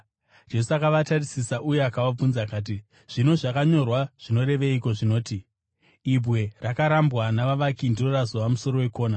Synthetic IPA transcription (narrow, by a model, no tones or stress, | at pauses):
d͡ʒe̞s̬uakaʋatarisisaʔuje̞akawab͡vunzakaːt̬i | ʐ̥ino̞ʐakaɲo̞rwaʐ̥ino̞ɾe̞ʋeiko̞ʐino̞ːti | ibʱwe̞rakaɾambɣanaʋaʋakindirorazoʋamuso̞ɾo̞we̞ko̞ːna